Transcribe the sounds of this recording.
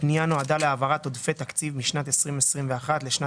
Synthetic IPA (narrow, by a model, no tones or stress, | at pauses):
pnijano̞ad̪aleavaʁat̪o̞d̪fet̪akt͡sivmiʃnat̪esʁimesʁimveaχat̪leʃna